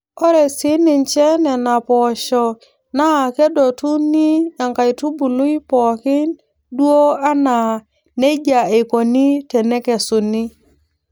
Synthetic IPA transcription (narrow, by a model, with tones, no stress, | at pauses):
o˦ɾe˨si˦ni˨nt͡ʃɛ˦nɛ˨na˨pɔ˨ʃɔ˨ | na˦˨ke˦do˨tu˦ni˦a˨ŋka˨jtu˦bu˨lu˦i˦pɔ˨kɪ˦n | du˦o˦a˦na˨ | ne˦d͡ʒa˨e˨ko˨ni˦te˨ne˦ke˨su˨ni˦